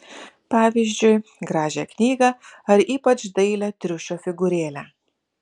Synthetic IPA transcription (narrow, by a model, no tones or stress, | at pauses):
pɑːʋʲiːzʲd͡ʒʲʊɪɡɾɑːʒʲɛknʲiːɡɐɐɾiːpɐt͡ʃd̪ɐɪlʲɛt̪ʲɾʲʊʃʲoːfʲɪɡʊɾʲeːlʲæː